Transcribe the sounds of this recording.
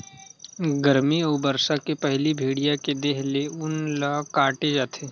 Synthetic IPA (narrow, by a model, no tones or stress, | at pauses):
ɡəɾmioːbəɾsakepɛɦlibʱeːɽijaked̪eːɦleʊnlaːkaːʈed͡ʒaːt̪ʰeː